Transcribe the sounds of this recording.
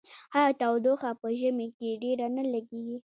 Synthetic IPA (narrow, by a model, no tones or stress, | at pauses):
hajt̪awd̪oxapəʒəmekeɖeɾanalaɡeɡi